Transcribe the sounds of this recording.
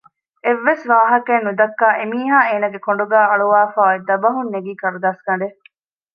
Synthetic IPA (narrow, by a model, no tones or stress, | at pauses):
eʋːesʋaːɦɐkenːud̪ɐkːaːʔemiːɦaːeːnɐɡekoɳɖuɡæːɐɭuʋaːfaːed̪ɐbɐɦunːeɡiːkɐɾud̪aːskɐɳɖe